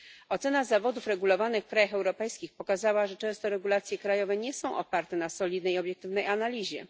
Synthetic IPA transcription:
ɔt̪sɛnazavɔd̪ufɾɛɡulɔvanɘxfkɾajaxɛwɾɔpɛjskʲixpɔkazawaʐɛt͡ʂɛ̃w̃st̪ɔɾɛɡulat̪sʲjɛkɾajɔvɛɲɛsɔ̃w̃ʔɔ̰paɾt̪ɛnasɔlʲid̪nɛjɔbjɛk̚t̪ɘvnɛjanalʲiʑɛ

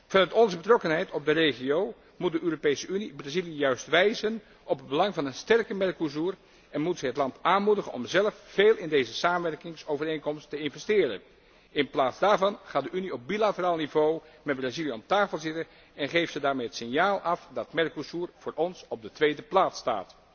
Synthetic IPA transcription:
v̥ɑnœɥtɔnzəbətrɔkənɦɛjtɔb̚dərejχiow | mut̚dəʔøːropejsəynibrazilijjœɥstʋɛjzən | ʔɔpəd̚bəlɑŋvɑnənstɛrkəmɛrkos̬ur | ɛnmutsɛɦətlɑntaːnmudəχənɔ̰mzɛləfːeːlˠɪndejzəsaːmənʋɛrkɪŋsowvərejnkɔmstəɪnvɛstɪːrə̰n | ɪnplaːtzdaːɹvɑnχaːtdəyniɔp̚bilatəraːlˠnivowmɛd̚braziliɔmtaːfəlˠzɪtə | ɛnχejfsədaːɹmejɦətsɪnjaːlˠʔɑfdɑtmɛrkosuːɹv̥ʊːɹʔɔnsɔb̚dətʋejdəplaːtsta̰ːt

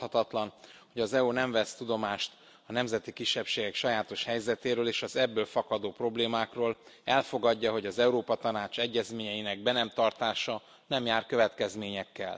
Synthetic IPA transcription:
hɒt̪ɒt̪lɒnho̞ɟɒzɛunɛɱvɛst̪ud̪o̞maːʃt̪ | ɒnɛmzɛt̪ikiʃːɛpʃeːɡɛkʃɒjaːt̪o̞ʃhɛjzɛt̪eːɾøːleːʃɒzɛbːøːlfɒkɒd̪oːpro̞bleːmaːkroːlɛlfo̞ɡɒɟːɒɦo̞ɟɒzɛuɾoːpɒt̪ɒnaːt͡ʃɛɟːɛzmeːɲɛjinɛɡ̚bɛnɛmt̪ɒrt̪aːʃɒ | nɛmjaːrkøvɛt̪kɛzmeːɲɛkːɛ̰l

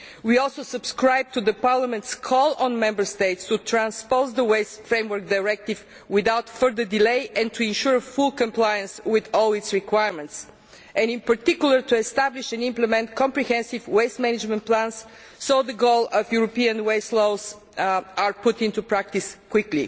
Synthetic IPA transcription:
wiɔlˠsoʊsəbskɹaɪb̚t̪uðəpaɹləmɛ̃nt̪skʰɔlˠɔ̃nmɛ̃mbə˞st̪eɪtst̪ut̪ɾæ̃nspoʊzd̪əweɪsfɾẽɪmwəɹk̚d̪aɪɹɛk̚t̪iv | wɪðaʊt̪fə˞ðə˞dileɪʔɛ̃nt̪ʰuɪ̃nʃʊɹəfʊlˠkə̃mplajə̃nswɪðɔlˠɪtsɹikwaɪɹmɛ̃nts | ʔɛ̃ndɪ̃npəɾt̪ikjulˠə˞t̪uɛst̪æbliʃɛ̃nɪ̃mplɛmɛ̃nt̪kʰɔ̃mpɹihɛ̃nsivweɪst̪mɛnɪd͡ʒmɛ̃nt̚plæ̃nsː | oʊðəɡoʊlˠəfjuɹɔpiə̃nweɪsloʊz | aɹpʊt̪ɪ̃nt̪upɹæk̚t̪iskwɪklḭ

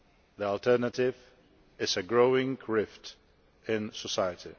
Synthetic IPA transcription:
ðiɔltʰɜ˞nətɪv | ɪzɨɡɹoʊɪ̃ŋkʰɹɪft | ɪ̃nsəsaɪətʰi

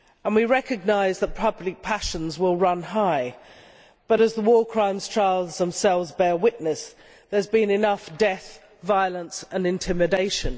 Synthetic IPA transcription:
ə̃nwiɹɛkɨɡ̚naɪzðət̚pʰʌblɪk̚pʰaʃə̃nzwɪlˠɹʌ̃nɦaɪ | b̥ʌɾəzðəwɔːkʰɹ̥ãɪ̃mz̥t͡ʃʰaɪlˠzðə̃msɛlˠvzbɛːwɪʔnəs | ðə˞zbĩnɪnʌfd̥ɛθ | vaɪəlˠə̃nsə̃nɪ̃ntʰɪ̃mɨdeɪʃə̃n

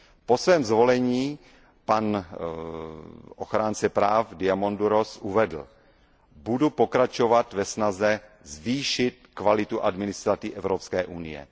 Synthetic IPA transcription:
po̞svɛːmzvo̞lɛɲiː | pan | ʔo̰xɾaːnt͡sɛpɾaːfdɪamonduɾosʔuvɛdl̩ | budupo̞kɾat͡ʃo̞vat̪vɛsnazɛ | zviːʃɪt̪kvalɪt̪uʔadmɪnɪst̪ɾat̪iʔɛvɾopskɛːʔunɪ̰jɛ̰

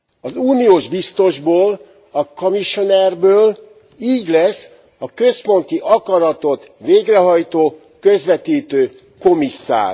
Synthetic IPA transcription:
ɒzuːnioːʒbist̪o̞ʒboːl | ɒkomiʃonɛrbøːl | iːɟlɛsː | ɒkø̞spo̞nt̪iʔɒkɒɾɒt̪o̞t̪ | ʋeːɡrɛɦɒjt̪oː | kø̞zʋɛt̪iːt̪øː | ko̞misːa̰ːr

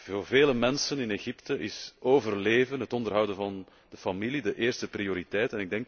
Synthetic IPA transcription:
vorveːləmɛnsənɪneɣɪptəʔɪsoːvərleːvənɦətɔndərɦʌwdənvɑn | d̥əfɑmilidəʔeːrstəprioːɾitɛjtɛnɪɡ̚dɛŋk

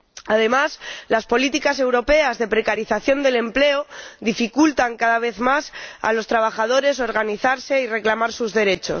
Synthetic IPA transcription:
aðe̞maslaspo̞lit̪ikase̞wɾo̞pe̞azðe̞pɾe̞kaɾiθaθjo̞nd̪e̞le̞mple̞oðifikult̪aŋkaðaβ̞e̞θmasa̰lo̞st̪ɾaβ̞axað̞o̞ɾe̞s̬o̞ɾɣ̞aniθaɾse̞ire̞klamaɾsuzðe̞ɾe̞t͡ʃo̞̰

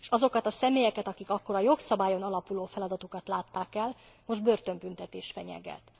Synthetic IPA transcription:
eʃɒzo̞kɒt̪ɒsɛmeːjɛkɛt̪ɒkikɒkːo̞ɾɒjo̞ksɒbaːjo̞nɒlɒpuloːfɛlɒd̪ɒt̪okɒt̪laːt̪ːaːkɛl | mo̞ʒd̪̚bø̞rt̪ø̞mbynt̪ɛt̪eːʃfɛɲɛ̰ɡɛ̰t̪

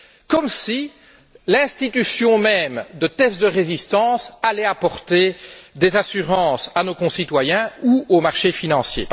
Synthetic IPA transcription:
kɔmsi | lɛ̃st̪it̪ysjɔ̃mɛmd̪ət̪ɛst̪̚d̪əʁezist̪ɑ̃salɛapɔʁt̪ed̪ezasyʁɑ̃ːsanokɔ̃sit̪wajɛ̃uomaʁʃefinɑ̃sjḛ

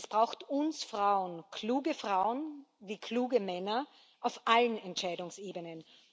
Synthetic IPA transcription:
sb̥ʁaʊxtʊnsfʁ̥aʊənkʰluːɡəfʁ̥aʊənviːkʰl̥uːɡəmɛnɐ | ʔaʊfʔalənɛntt͡ʃaɪdʊŋseːbənən

